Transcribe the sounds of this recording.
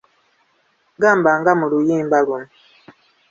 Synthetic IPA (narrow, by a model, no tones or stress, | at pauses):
ɡambaŋɡamulujimbaɡum